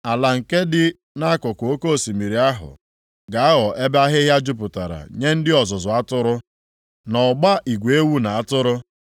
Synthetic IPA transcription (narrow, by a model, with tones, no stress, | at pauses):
a˨la˨ŋ̩˨ke˦dɪ˦ | na˦a˦kʊ˨kʊ˨o˦ko˦˨si˨mi˨ɾi˨a˦ɦʊ̰˨ | ɡa˨a˦ɣɔ˨ʔe˦ba˦ɦɪ˦ɦja˦d͡ʒʊ˦p̬ʊ˨ta˨ɾa̰˨ɲe˦n̩˦dɪ˦ɔ˨zʊ˨zʊ˨a˦tʊ˦ɾʊ˦ | nɔ˨ɡ͡ba˦ʔi˨ɡʷe˦wu˦na˨a˦tʊ˦ɾʊ˦